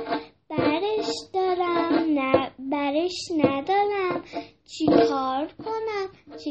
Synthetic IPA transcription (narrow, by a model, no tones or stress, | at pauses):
b̥æɾeʃd̪̥ɒːɾæm | bæɾeʃnæd̪ɒːɾæmt͡ʃʰikʰɒːɾkʰo̞næmt͡ʃʰ